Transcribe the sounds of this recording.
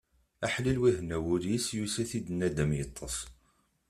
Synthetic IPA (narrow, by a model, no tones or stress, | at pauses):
æħlilwiɦnæwʊljisjusæθid̪ənːæd̪æmjət̪ˤːəsˤ